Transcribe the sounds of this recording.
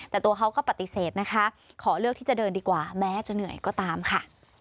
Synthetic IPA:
t̪ɛː˨˩t̪u˧ɐkʰa˦˥wkɔː˥˩pa˨t̪i˨˩seː˨˩t̪̚na˦˥kʰa˦˥ | kʰɔː˩˦lɯ˥˩k̚t̪ʰiː˥˩t͡ɕa˨˩dɤː˧ndiː˧kwaː˨˩bɛː˦˥t͡ɕa˧nɯ˨˩˦əjkɔː˥˩t̪aː˧mkʰa˥˩

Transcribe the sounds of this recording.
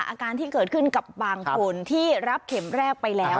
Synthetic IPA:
ʔaː˧kaː˧nt̪ʰiː˥˩kɤː˨˩t̪̚kʰɯ˥˩nka˨˩p̚baː˧ŋkʰo˧nt̪ʰiː˥˩ɾa˦˥p̚kʰe˩˦mɾɛː˥˩k̚pa˧jlɛː˦˥

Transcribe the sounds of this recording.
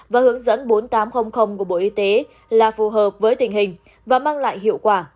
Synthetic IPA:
vaː˨˩hɨ˨˦əŋzə̰˧˥nɓo˨˦nt̪aː˨˦mxə˧wŋ͡mxə˧wŋ͡mku˧˩əɓo̰˧˨ʔi˧t̪e˨˦ | laː˨˩fu˨˩ɦəː˨˩p̚vəː˨˦jt̪ï˨˩ŋ̟ɦï˨˩ŋ̟ | vaː˨˩maː˧ŋla̰ː˧˨jhḭ˧˨əwkwaː˧˩

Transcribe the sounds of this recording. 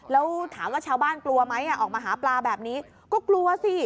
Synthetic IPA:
lɛː˦˥wt̪ʰaː˩˦mwaː˥˩t͡ɕʰaː˧wbaː˥˩nklu˧ɐma˦˥jʔa˥˩ʔɔː˨˩k̚maː˧ɦaː˩˦plaː˧bɛː˨˩p̚niː˦˥ | kɔː˥˩klu˧ɐsi˧˩

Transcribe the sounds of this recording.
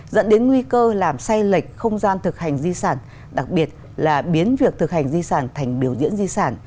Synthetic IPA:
zə̰˧˥nɗe˨˦nŋwi˧kəː˧laː˨˩msa˧jlə˨˩k̟̚xə˧wŋ͡mzaː˧nt̪ʰɨ˨˩k̚ha˨˩jŋ̟zi˧saː˧˩n | ɗa˨˩k̚ɓi˨˩ət̚ | laː˨˩ɓi˨˦ənvi˨˩ək̚t̪ʰɨ˨˩k̚ha˨˩ŋ̟zi˧saː˧˩nt̪ʰa˨˩jŋ̟ɓi˨˧˩əwzḭ˧˥ənzi˧saː˧˩n

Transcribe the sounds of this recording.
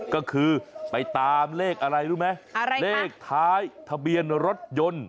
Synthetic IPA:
kɔː˥˩kʰɯː˧pa˧jt̪aː˧mleː˥˩k̚ʔa˧ɾa˧jɾuː˥˩ma˦˥jleː˥˩k̚t̪ʰaː˦˥jt̪ʰa˧bi˧ənɾo˦˥t̪̚jo˧n

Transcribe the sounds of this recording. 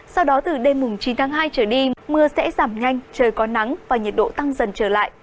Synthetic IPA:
sa˧wɗɔ˨˦t̪ɨ˨˩ɗe˧mːʊ˨˩ŋ͡mt͡ɕi˨˦nt̪ʰaː˨˦ŋɦaː˧jt͡ɕəː˧˩ɗi˧mɨ˧əsɛ̰˧˥zaː˧˩mɲa˧jŋ̟t͡ɕəː˨˩jkɔ˨˦na˨˦ŋvaː˨˩ɲi˨˩t̚ɗo̰˧˨t̪a˧ŋzə˨˩nt͡ɕəː˧˩la̰ː˧˨jʔ

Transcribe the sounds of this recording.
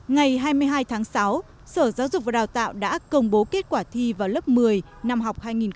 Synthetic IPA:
ŋa˨˩jɦaː˧jmɨ˧əjɦaː˧jt̪ʰaː˨˦ŋsa˨˦w | səː˧˩zaː˨˦wzʊ˨˩k͡p̚vaː˨˩ɗaː˨˩wt̪a̰ː˧˨wɗa̰ː˧˥kə˧wŋ͡mɓo˨˦ke˦˥t̚kwaː˧˩t̪ʰi˧vaː˨˩wlə˦˥p̚mɨ˨˩əj | na˧mɦa˨˩wk͡p̚haː˧jŋi˨˩n

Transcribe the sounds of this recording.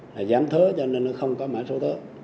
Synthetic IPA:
laː˨˩zaː˨˦mt̪ʰəː˨˦t͡ɕɔ˧nə˧nɔ˨˦xə˧wŋ͡mkɔ˨˦maː˧˨jso˨˦t̪ʰəː˨˦

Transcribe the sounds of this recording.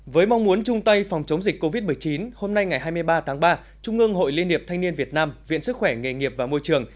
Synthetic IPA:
vəː˨˦jma˧wŋ͡mmu˨˦ənt͡ɕʊ˧ŋ͡mt̪ə˧jfɔ˨˩wŋ͡mt͡ɕə˨˦wŋ͡mzï˨˩k̟̚ko˧vi˦˥t̚mɨ˨˩əjt͡ɕi˨˦nho˧mna˧jŋa˨˩jɦaː˧jmɨ˧əjɓaː˧t̪ʰaː˨˦ŋɓaː˧ | t͡ɕʊ˧ŋ͡mʔɨ˧ŋɦo̰˧˨jli˧ənhi˨˩əpt̪ʰa˧ŋ̟ni˧ənvi˨˩ət̚naː˧mvḭ˧˨ənsɨ˦˥k̚xwɛ˧˩ŋe˨˩ŋi˨˩əp̚vaː˨˩mo˧jt͡ɕɨ˨˩əŋ

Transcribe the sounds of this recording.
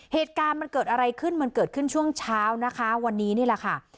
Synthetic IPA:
heː˨˩t̪̚kaː˧nma˧nkɤː˨˩t̪̚ʔa˧ɾa˧jkʰɯ˥˩nma˧nkɤː˨˩t̪̚kʰɯ˥˩nt͡ɕʰu˥˩əŋt͡ɕʰaː˦˥wna˦˥kʰa˦˥wa˧nːiː˦˥ni˥˩lɛ˨˩kʰa˥˩

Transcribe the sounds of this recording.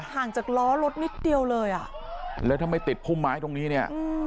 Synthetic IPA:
haː˨˩ŋt͡ɕaː˨˩k̚lɔː˦˥lo˦˥t̪̚ni˦˥t̪̚di˧əwlɤː˧jʔa˨˩ʔ | lɛː˦˥wt̪ʰa˧˩mːa˧˩jt̪i˨˩t̪̚pʰuː˥˩mːaː˦˥jt̪o˧ŋniː˦˥ni˥˩ɐʔɯ˧

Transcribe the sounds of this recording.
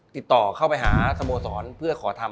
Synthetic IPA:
t̪i˨˩t̪ːɔː˨˩kʰa˥˩wpa˧jɦaː˩˦sa˧moː˧sɔː˩˦npʰɯ˥˩ɐkʰɔː˩˦t̪ʰa˧

